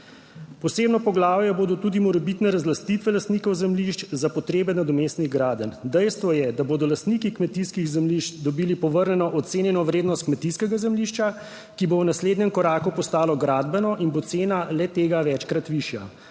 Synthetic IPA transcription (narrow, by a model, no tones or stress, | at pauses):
pɔseːbnɔpɔɡlaːwjɛboːd̪ɔt̪uːd̪imɔɾɛbit̪nɛɾazlast̪it̪ʋɛlast̪niːkɔwzɛmliʃt͡ʃzapɔt̪ɾeːbɛnad̪ɔmeːst̪niɣɡɾaːd̪ənd̪ɛjst̪ʋɔjɛd̪aboːd̪ɔlast̪niːkikmɛt̪iskiɣzɛmliʃt͡ʃd̪ɔbiːlipɔʋəɾnʲɛnɔʔɔt̪seːnjɛnɔʋɾeːd̪nɔst̪kmɛt̪iskɛɡazɛmliʃt͡ʃa | kibownasleːd̪nɛmkɔɾaːkupɔst̪aːlɔɡɾaːd̪bɛnɔʔinbot̪seːnalɛt̪eːɡaʋɛt͡ʃkɾat̪ʋiʃja